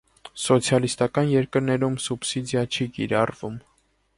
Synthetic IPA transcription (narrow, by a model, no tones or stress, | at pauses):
sɔt͡sʰjɑlist̪ɑkɑnjɛɾkəɾnɛɾumsubsid̪jɑt͡ʃʰikiɾɑrvum